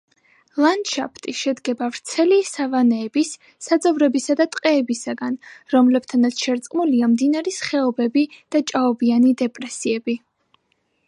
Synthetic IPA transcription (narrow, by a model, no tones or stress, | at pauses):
lˠanʃapʰt̪ʼiʃɛd̪ɡɛbavɾt̪sʰɛlisavanɛːbisː | ad̪zʼɔvɾɛbisad̪at̪ʼqʼɛːbisaɡanɾɔmlɛbt̪ʰanat̪sʰʃɛɾt̪sʼqʼmuliamd̪inaɾisχɛɔbɛbid̪̥at͡ʃʼaɔbianid̪ɛpʼɾɛsiɛbi